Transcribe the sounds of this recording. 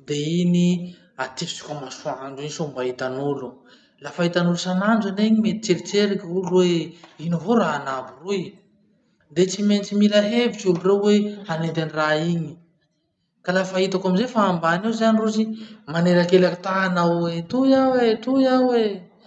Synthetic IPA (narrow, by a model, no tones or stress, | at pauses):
d̪eini | at̪ifi̥t͡si̥kʲamasuaand͡ʒiɲsombaɦit̪anulu | lafait̪anulusananɖ͡ʐaneɲimet̪i̥t͡seɾit͡seɾakulweinavoɾaːnaburuj | d̪et͡siment͡similaɦevit͡ʃulurewwehaned̪aniraiɲi | kalafaɦit̪akamizefaːmbaniwzanirusimaneɾakelakit̪anawwet̪ujawet̪ujawe